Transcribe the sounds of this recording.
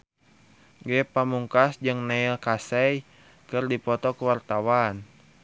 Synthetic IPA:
ɡɛpamuŋkasd͡ʒɨŋnɛilkasɛj | kɨrdipɔt̪ɔkəwart̪awan

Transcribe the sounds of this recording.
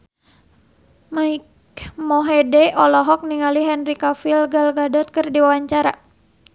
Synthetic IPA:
maik | mɔɦɛdɛʔɔlɔɦɔk̚niŋaliɦɛnrikafilɡalɡadɔt̪̚kərdiwawaɲt͡ʃaɾa

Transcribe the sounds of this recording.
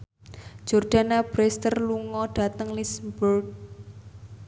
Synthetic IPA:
d͡ʒ̥ɔrd̥a̤nab̥ɾɛst̪ərluŋɔɖ̥a̤t̪əŋlismbɔrt̚

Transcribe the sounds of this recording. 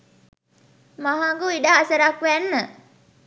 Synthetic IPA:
maɦaŋɡuiɖaːsəɾakʋænːə

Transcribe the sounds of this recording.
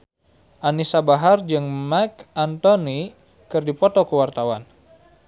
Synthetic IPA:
ʔanisabaɦard͡ʒɨŋmakʔant̪ɔni | kɨrdipɔt̪ɔkəwart̪awan

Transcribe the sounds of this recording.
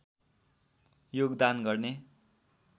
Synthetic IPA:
joɡd̪anɡʌrne

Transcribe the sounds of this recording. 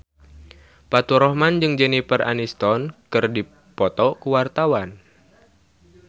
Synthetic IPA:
pat̪uɾɔhmand͡ʒɨŋd͡ʒɛnipəra̰nist̪ɔnkɨrdi | pɔt̪ɔkuwart̪awan

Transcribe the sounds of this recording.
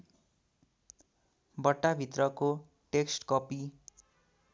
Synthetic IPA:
bʌʈːabʱit̪rʌko | ʈeksʈkʌpi

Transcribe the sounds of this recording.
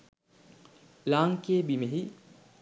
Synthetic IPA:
laːŋkeːbimeɦi

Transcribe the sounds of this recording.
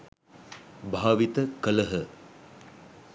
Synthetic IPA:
bʱaːʋit̪əkələɦə

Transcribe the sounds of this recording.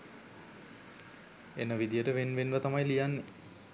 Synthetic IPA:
enəʋid̪ijəʈəʋenʋenʋət̪amajlijanːe

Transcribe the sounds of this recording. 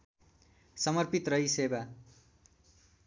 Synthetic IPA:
sʌmʌrpit̪rʌɦiseba

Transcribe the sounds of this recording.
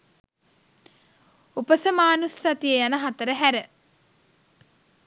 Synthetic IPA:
upəsəmaːnussat̪ijejanəɦat̪əɾəɦæɾə

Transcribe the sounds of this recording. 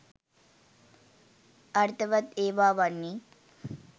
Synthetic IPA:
ɐɾt̪ʰɐʋɐt̪eːʋaːʋanːi

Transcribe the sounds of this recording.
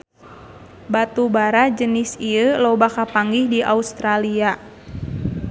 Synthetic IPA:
bat̪ubaɾad͡ʒənɪsiəlɔbakapaŋɡihdiʔa̰ust̪ɾalia

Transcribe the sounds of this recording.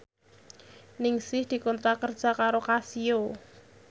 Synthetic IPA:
nɪŋsɪhd̪̥i̤kɔnt̪ɾakərd̥ʒ̥a̤kaɾokasio

